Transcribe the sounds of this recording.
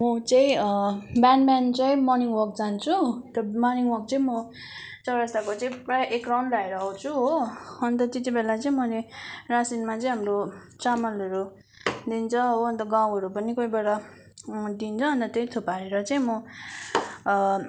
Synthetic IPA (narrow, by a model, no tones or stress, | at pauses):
mʌt͡sʌĩ | banbant͡sʌj̃mʌniŋwʌk̚d͡zant͡sʰut̪ʌmʌniŋɡwʌk̚t͡sʌĩmʌ | t͡sʌwɾʌst̪akot͡sʌĩprajʌʔekrawnbaeɾʌɦʌt͡sʰuɦoʌnt̪ʌt̪et̪ibelat͡sʌĩmʌlerasinmat͡sʌ̃j̃ɦamro | t͡samʌlʌɾu | d̪int͡sʰʌɦoʌnt̪ʌɡãw̃ɦʌɾupʌnikojbeɽʌ | d̪int͡sʰʌʌnt̪ʌt̪ʌjt̪ʰopaɾeɾʌt͡sʌĩmʌ